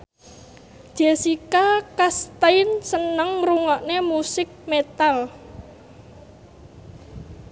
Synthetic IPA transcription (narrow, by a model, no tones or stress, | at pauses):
ʒ̥esikakast̪aɪnsənəŋɾuŋaʔnemusɪk̚met̪al